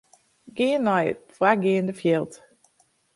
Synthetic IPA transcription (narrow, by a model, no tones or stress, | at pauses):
ɡɪənːɔjfraɡɪːəndəfjelˠt